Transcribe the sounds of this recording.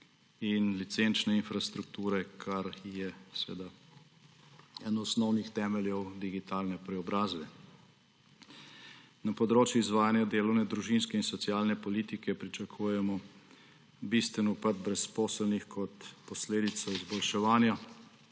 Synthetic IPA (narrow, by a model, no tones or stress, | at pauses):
inlit̪sent͡ʃnɛinfɾast̪ɾukt̪uːɾɛkʰaɾjɛsʋḛːd̪a | ɛnɔːsnɔwnixt̪ɛːmɛljɛwd̪iɡit̪aːlnɛpɾɛɔbɾaːzbɛ | napɔd̪ɾoːt͡ʃjuizʋaːjanjad̪eːlɔwnɛd̪ɾuʒinskɛinsɔt̪sjaːlnɛpɔliːt̪ikɛpɾit͡ʃɐkʰuːjɛmɔ | bist̪ʋɛnupad̪̚bɾɛspɔːsəlnixkʰɔt̪pɔsleːd̪it̪sɔizbɔlʃɛʋaːnja